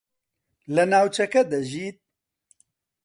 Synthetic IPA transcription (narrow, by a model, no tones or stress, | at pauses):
lɛnaːwt͡ʃɐkɛd̪ɐʒiːt̪̚